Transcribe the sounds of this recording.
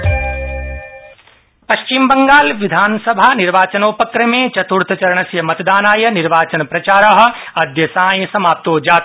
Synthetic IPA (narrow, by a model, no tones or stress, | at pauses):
pɐʃt͡ʃimbɐŋɡaːlʋid̪ʱaːnsɐbʱaːniɾʋaːt͡ʃɐnoːpɐkɾɐmeːt͡ʃɐt̪uɾt̪ʰɐt͡ʃɐɾɐɳɐsjɐmɐt̪d̪aːnaːjɐniɾʋaːt͡ʃɐnpɾɐt͡ʃaːɾɐːɦɐ̆ | ɐd̪ʱjɐsãːjɐsɐmaːp̚t̪oːd͡ʒaːt̪